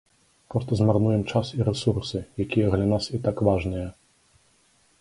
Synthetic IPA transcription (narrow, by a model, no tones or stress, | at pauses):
pɾɔst̪ɐzmarnujɛmt͡ʂasiɾɛsursɨjakʲijɐɣlʲanasit̪akvaʐnɨjɐ